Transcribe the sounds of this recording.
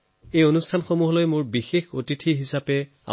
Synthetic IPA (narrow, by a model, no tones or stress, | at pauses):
ejonustʰanxomuɦɔlojmʊɹbixexotitʰiɦisapɛ | a̰